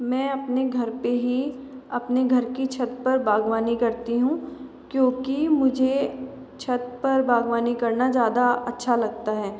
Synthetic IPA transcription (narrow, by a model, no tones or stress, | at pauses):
mɛ̃ːɐpneɡʱɐɾpeɦi | ɐpneɡʱɐɾkit͡ʃʰɐt̪̚pɐɾbaːɡʋaːnikɐɾt̪iɦũ | kjõːkimʊd͡ʒʱe | t͡ʃʰɐt̪̚pɐɾbʱaːɡʋaːnikɐɾnazjaːd̪aɐtːʃʰalɐɡ̚t̪aɦɛː